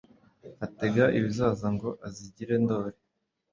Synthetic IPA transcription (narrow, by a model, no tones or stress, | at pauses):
ate̞ɡaʔiβizaːzaŋɡo̞ʔaziɟiɾe̞ndo̞ːɾe